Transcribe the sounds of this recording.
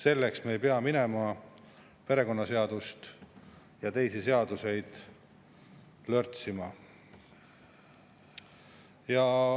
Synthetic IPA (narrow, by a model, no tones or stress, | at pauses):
se̞lːe̞ksmeːjpeɑmine̞mɑ | pe̞ɾe̞ko̞nːɑse̞ɑd̪ust̪ | jɑt̪e̞jsise̞ɑd̪̥use̞jd̪̥ | lørt̪simɑ | jɑ